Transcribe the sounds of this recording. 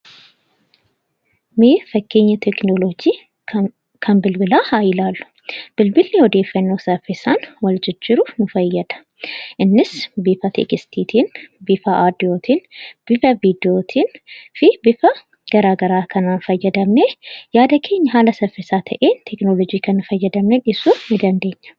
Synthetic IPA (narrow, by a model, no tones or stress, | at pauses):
mefəkʰːeɲːɛt̪ʰeknolod͡ʒi | kʰɐmbɨlbɨlahajlalːu̥ | b̥ɨlbɨlːewɔd̪efənːosɐfesanwɔld͡ʒɪd͡ʒːɪɾuməfəjːɛd̪̥ə | ʔɨnːɨsbifat̪ʰḛkʼist̪ʰit̪ʰinbifaʔad̪iot̪ʰinb̥ifɐvid̪iot̪ʰinfibifɐ | ɡ̥ɐɾaɡəɾakʰɐnanfɐjːɛd̪ɐmnejad̪ɐkʰeɲːɦalɐsɐfesat̪ʰɐʔent̪ʰeknolod͡ʒikʰɐnɨfəjːɛd̪ɐmneʔɪsumɪd̪ɐnd̪eɲːa